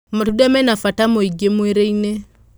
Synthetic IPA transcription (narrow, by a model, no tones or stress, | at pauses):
matudɛmɛnafatamoiɡemuɛɾeine